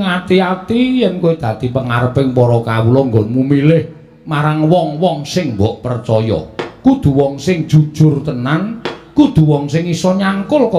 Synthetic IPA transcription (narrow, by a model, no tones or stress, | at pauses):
ŋat̪iat̪ijɛnkoid̪̥ä̤d̪̥i̤pəŋaɾəpɪŋpɔɾɔkawulɔŋɡɔnmumilɪh | maɾaŋwɔŋwɔŋsɪŋmbɔʔpərt͡ʃɔjɔ̰kud̪̥ṳwɔŋsɪŋ̥ʒ̥ṳ̥ʒ̥ʊ̤rt̪ənankud̪̥ṳwɔŋsɪŋisɔɲaŋkʊlkɔ